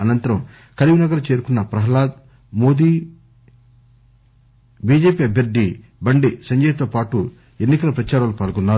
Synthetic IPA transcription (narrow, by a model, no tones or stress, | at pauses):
ɐnɐnt̪ɐɾɐm | kɐliʋinɐɡɐɾut͡ʃe̞ːɾukunːɐpɾɐɦɐlaːd̪ | mo̞ːd̪iː | biːd͡ʒeːpiɐbʱjɐɾd̪ːi | bɐɳɖisɐɲd͡ʒɐːjɐt̪oːpaːʈu | enːikɐlɐpɾɐt͡ʃaːɾaːlupaːlɡunːaː